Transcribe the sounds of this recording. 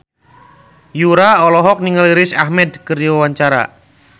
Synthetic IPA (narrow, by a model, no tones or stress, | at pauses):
juɾaɔlɔɦɔk̚niŋaliɾɪsahmɛd̪kəriawaɲt͡ʃaɾa̰